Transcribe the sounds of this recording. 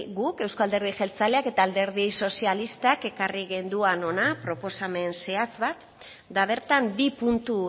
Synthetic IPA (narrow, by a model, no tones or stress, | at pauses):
ɣuke̞wskoald̪e̞ɾð̞iʝe̞lt͡saleake̞t̪aːld̪e̞ɾð̞iso̞sialist̪ake̞kariɣend̪uano̞napɾo̞po̞same̞nse̞at͡sβat̪ | d̪aβ̞e̞ɾt̪ambipunt̪u